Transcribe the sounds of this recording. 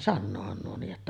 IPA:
sɑnːoːhɑn nuo niːʔ ʔetːæ

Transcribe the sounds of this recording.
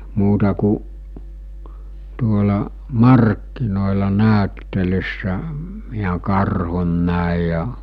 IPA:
muːtɑ ku tuolɑ mɑrkːinoˑelɑ næˑøtːelysːæ miæ kɑrhun næˑi jɑ

